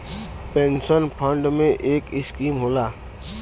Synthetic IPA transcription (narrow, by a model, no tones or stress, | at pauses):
pẽːnsənpʰə̃ɳɖmẽʔeːkɪskiːmɦoːlaː